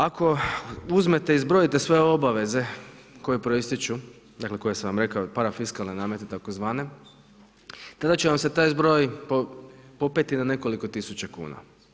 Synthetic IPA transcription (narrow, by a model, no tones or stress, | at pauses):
akʰo̞uzme̞t̪eizbɾo̞jit̪esʋe̞oo̞baʋe̞ze̞ko̞jepɾo̞ist̪it͡ʃu | d̪akle̞ko̞jesaʋamɾe̞kaopaɾafiskalˠnenaːme̞t̪et̪ako̞zʋaːne̞ | t̪ad̪at͡ɕeʋamset̪aːjzbɾo̞ːjpopo̞pet̪inane̞ko̞liko̞t̪isut͡ɕakṵːna̰